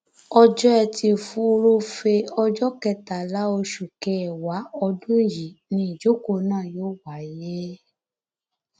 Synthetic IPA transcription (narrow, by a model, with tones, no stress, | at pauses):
ɔ˧d͡ʒɔ˦ɛ˧tʰi˧˨fu˦˧ɾo˦fe˧ɔ˧d͡ʒɔ˦kɛ˧ta˨la˨˦o˧ʃu˨kɛ˧˨wa˨˦ɔ˧dũ˦˨ji˨nĩ˧˦i˨d͡ʒo˨˦ko˨nãː˦˨joː˦wa˨˦je˦